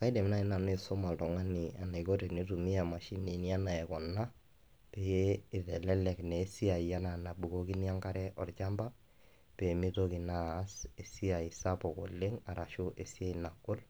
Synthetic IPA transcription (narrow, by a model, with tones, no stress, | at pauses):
ka˦i˦dɛ˨mɪ˦na˦˨ɪ˦na˨n˦e˨so˦ma˨tɔ˨ŋa˦ni˨a̰˨na˨i˨ko˦ɾe˨ne˦tu˨mi˦a˨ma˨ʃi˦ni˨nja˦na˨ɛ˨kɔ˨na˦ | pe˨jeː˦˨ðɛ˨lɛ˦lɛ˨knɛː˨˦si˦a˨i˨ja˦na˨na˨bu˨ko˦ki˦nja˦ŋka˦ɾɛ˦ʔɔ˨rt͡ʃa˦mba˦ | pe˨mi˦to˦ki˨naː˦se˨si˦a˨i˨sa˦pɔ˨kɔ̰˨le˦ŋa˨ɾʔa˨ʃʊ˦ʔe˨si˦e˦i˨na˨kʊ˦l